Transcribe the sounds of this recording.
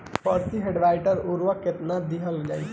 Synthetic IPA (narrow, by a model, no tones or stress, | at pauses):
pəɾt̪iɦeɖʋajʈəɾuɾʋəket̪nad̪iɦəld͡ʒaj